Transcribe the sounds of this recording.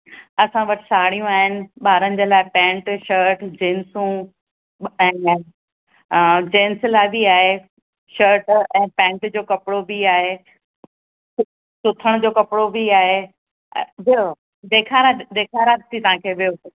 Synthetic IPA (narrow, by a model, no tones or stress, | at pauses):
ɐsãʋɐʈʰɪ̥saːɽ̤ijũaːɦɪnɪ̆ɓaːɾənɪ̆d͡ʑeːlaːɪpɛ̃ːɳʈʃəɾʈd͡ʑeːnsũ | ɛ̃ː | d͡ʑeːnslaːɪbiaːɦe | ʃəɾʈɛ̃ːpɛ̃ːɳʈd͡ʑoːkɐpɪɽobiaːɦe | sʊt̪ʰəɽ̃d͡ʑoːkɐpɪɽobʱiaːɦe | bijo | d̪eːkʰaːɾad̪eːkʰaːɾaːt̪ʰit̪ɐɦãkʰeːʋijo